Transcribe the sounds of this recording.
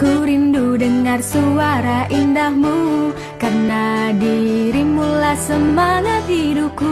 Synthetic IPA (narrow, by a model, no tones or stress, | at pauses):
kuɾindudəŋarsuaɾaʔindahmu | karnadiɾimulasəmanaɦiduku